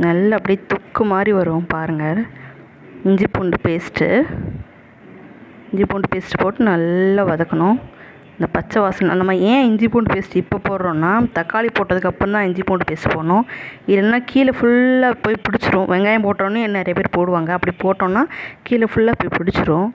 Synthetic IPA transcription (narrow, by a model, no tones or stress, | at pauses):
nɐlːɐɐpːɐɽit̪ɔkːɯmaːd̪ɾiʋɐɾɯʊ̃paːɾɯŋɡɐɾ | ɪɲd͡ʒipoːɳɖɯpeːsʈːɯ̰ | ɪɲd͡ʒipoːɳɖɯpeːsʈːɯ̥poːʈːɯnɐlːaɐʋɐðɐkːɐnʊ̃ | ɪnd̪ɐpɐt͡ʃːɐʋaːsɐn̰nɐmːaẽːɪɲd͡ʒipoːɳɖpeːsʈːɯɪpːopoːɽɾõːnːaːt̪ɐkːaːlipoːʈːɐðɯkːɐpːɐ̃nt̪ãːɪɲd͡ʒipoːɳɖɯpeːsɯpoːnʊ̃ɪlɐnːaːkʰiːlɐfʊɭːaːpoːjpɪɽɪt͡ʃːɯɾõːʋɛŋɡaːjɐmpoːʈːõːnːɯɛnːnɛɾɐjɐpeːɾpoːɽɯʋaːŋɡɐːpːɐɽipoːʈːõːnːaːkiːlɐfʊɭːaːpoːjpɪɽɪt͡ʃːɯɾõː